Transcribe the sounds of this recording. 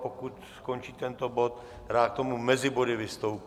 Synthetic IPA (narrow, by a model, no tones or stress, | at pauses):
pokut̪skont͡ʃiːt̪ɛnt̪obo̞t̪ | ɾaːk̚t̪omumɛzɪbo̞dɪvɪst̪owp